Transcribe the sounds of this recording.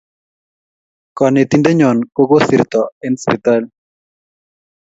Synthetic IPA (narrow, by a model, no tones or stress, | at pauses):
kanet̪ind̪eɲɔnkoɡosiɾt̪ɔenspit̪al